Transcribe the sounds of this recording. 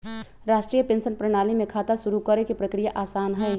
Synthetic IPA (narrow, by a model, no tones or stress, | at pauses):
ɾaːʃʈɾiːjəpẽnsənpɾəɽ̃aːlimẽkʰaːt̪aʃuɾukəɾekepɾəkɾijaʔaːsaːnɦɛj